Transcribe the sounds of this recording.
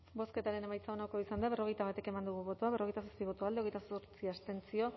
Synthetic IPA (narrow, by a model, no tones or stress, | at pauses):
bo̞ske̞t̪aɾe̞ne̞majt͡saonako̞isand̪aβe̞ro̞ɣ̞e̞jt̪aβat̪e̞ke̞mand̪uɣ̞uβo̞t̪uaβrojt̪as̬ospiβo̞t̪uald̪eejt̪asoɾt͡siast̪e̞nt͡sio̞